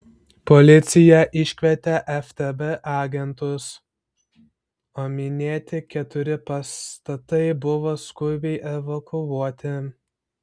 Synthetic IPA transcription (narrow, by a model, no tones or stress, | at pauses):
pɔlʲɪt̪sʲɪjɛʔɪʃʲkʲʋʲɛt̪ʲɛʔɛft̪ʲɛbɛʔɑːɡʲɛnt̪ʊs | oːmʲɪnʲeːt̪ʲɪkʲɛt̪ʊɾʲɪpɐst̪ɐt̪ɐɪbʊʋoskʊbʲɛɪʔɛʋɐkʰʊuɔt̪ʲɪ